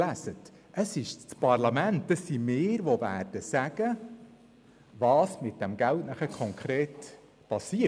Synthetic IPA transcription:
æsət | əsɪʃt͡spɑrlɑmæntːəsːimɪːɾʋovæːrd̥əsæɡ̥ə | ʋɑːsmɪt̚d̥ɛmɡ̥æltnæχəkʰɔŋkʰɾeːt | pɑsiə

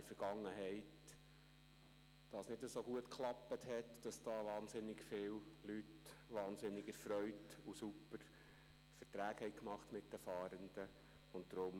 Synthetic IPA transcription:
fəɾɡ̥ɑŋːəɦɛɪt | d̥ɑsnɪdəsoɡuətkʰχlɑpːəthɛtd̥ɑsd̥ɑːʋɑːnzɪnɪɡfɪːllytʋɑːnzɪnɪɡəɾfɾœʏtusupəɾ | fəɾtɾæːkhɛɪkmɑχtmɪt̚d̥əfɑːɾənd̥̪ə | ʊnt̚d̥̪ɾʊm

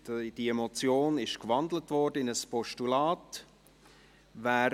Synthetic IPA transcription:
d̥iemot͡sjoːnɪʃkvɑndlətvɔɾdəɪnəspɔʃtulaːt | væːɾ

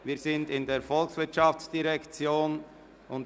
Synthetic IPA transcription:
viːzɪndɪndeːɾfɔlksvɪɐtʃɑft͡sd̥iʁɛkt͡sjoːn | ʔʊnt

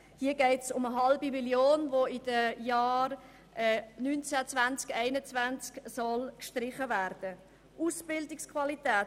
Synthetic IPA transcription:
hiːəɡɛɪtsʊməɦɑlbimiljoːnvoɪd̥əjaːr | ʔɛːnynt͡sɛt͡svant͡skɛɪnət͡svænt͡sksɔlkʃtrɪχəvæɾd̥ə | ʔusb̥ɪldɪkskʰvɑlitɛː

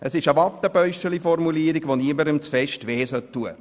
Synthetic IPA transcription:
ʔəsɪʃəʋɑt̪ːəb̥œʏʃəlifɔrmuliəɾiɡʋoniəməɾəmt͡sfɛʃtʋeːsœtːuə

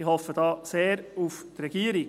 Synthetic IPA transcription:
ihɔfəd̥ɑːseːɾuft̪rɛɡ̥iːəɾi

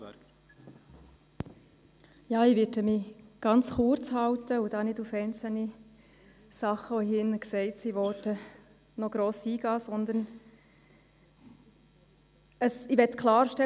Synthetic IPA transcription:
jɑːiʋɪtəmiɡ̥ɑnt͡sχuːɾt͡shɑwtəud̥ɑːnɪdufɛɪnt͡səl̩ni | sɑχəɔɦɪnəksɛɪtsiʋɔtə | nɔɡ̥ɾoːsiːɡ̥ɑːsɔnd̪ən | əsiʋɛtkʰlɑːɾʃtɛ

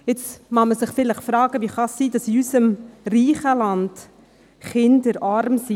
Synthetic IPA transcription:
ɪt͡smɑməsɪχfɪləχfɾɑːɡ̥əʋiχɑsːiːd̥ɑsiysəmriːχəlɑnd̥ | χɪndəɾɑɾmsi

